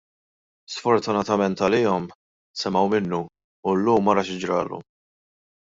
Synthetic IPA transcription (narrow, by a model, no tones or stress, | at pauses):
sfɔɾt̪ʊnɐt̪ɐmɛnt̪ɐlɪːɔm | sɛmɐwmɪnːu | ʊlːuːmːɐɾɐʃɪd͡ʒɾɐ̰ːlṵ